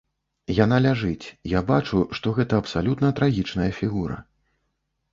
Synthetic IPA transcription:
jan̪alʲaʐɨt͡sʲjabat͡ʂuʂt̪ɔɣɛt̪ɐːpsalʲut̪nɐt̪ɾaɣʲit͡ʂnɐjɐfʲiɣuɾɐ̰

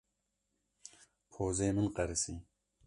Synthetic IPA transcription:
pʰoːzemɨnqɑɾɨsi

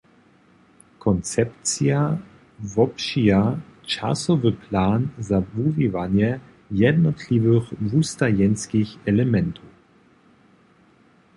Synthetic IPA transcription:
kʰɔnt͡sɛpt͡sija | vɔpʃijat͡ʃa̰sɔvəpʰlaːnzavuvivanjɛ | jɛdnɔtʰlivəxvustajɛnskiçɛlɛmɛnt̪ʰu

